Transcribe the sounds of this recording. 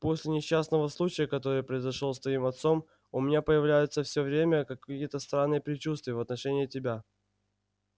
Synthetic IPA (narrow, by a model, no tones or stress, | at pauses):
po̞sʲlʲɪnʲɪɕːasnəvəslˠut͡ɕɪjəkɐt̪o̞ɾɨjəpɾəɪzɐʂlˠost̪vɐimɐt̪so̞m | ʊmʲɪnʲapəjɪvlʲæjʊt̪səfsʲovɾʲemʲəkɐkʲijət̪əst̪ɾanːɨjəpɾʲɪt͡ɕust̪vʲɪjəvɐt̪nɐʂɛnʲɪːtʲɪbʲa